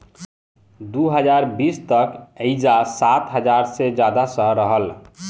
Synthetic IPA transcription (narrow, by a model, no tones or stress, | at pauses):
d̪uɦəd͡ʒaɾbist̪əkəɪd͡ʒasat̪ɦəd͡ʒaɾsed͡ʒad̪asəɦɾəɦəl